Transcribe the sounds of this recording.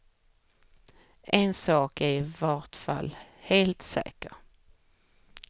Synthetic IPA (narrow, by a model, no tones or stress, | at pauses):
ʔɛnsɑːkæɾvɑʈfa̰lːheːlt̪sɛ̰ːkəɾ